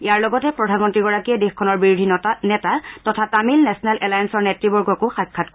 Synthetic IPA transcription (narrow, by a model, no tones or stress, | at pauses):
iaɹlɔɡɔtɛpɹɔdʱanmɔntɹiɡɔɹakiɛdexkʰɔnɔɹbiɹudʱinɛtatɔtʰatamilnɛsɔnɛlʔɛlajansɔɹnɛtɹibɔɹɡɔkʊxajkʰːatk